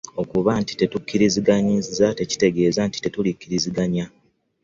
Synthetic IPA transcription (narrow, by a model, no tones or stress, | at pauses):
o̞kuβanti̥te̞tukːiɾiziɡaɲizzate̞ci̥te̞ɡe̞ːzanti̥te̞tulikːiɾiziɡaɲa